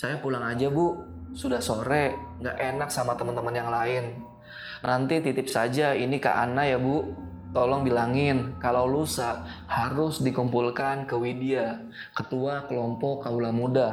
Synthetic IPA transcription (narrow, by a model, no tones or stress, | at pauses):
sajapulaŋad͡ʒabʊ | sudahsoɾɛ | ŋɡaʔenak̚samat̪əmənt̪əmənjaŋlaɪn | nʔant̪it̪it̪ɪp̚sad͡ʒainika̰ʔa̰najabʊ | t̪ɔlɔŋbilaŋɪnkalawlusaʔ̚ | haɾʊsdikumpulkankəwidia | kət̪uakəlɔmpɔkːaulamuda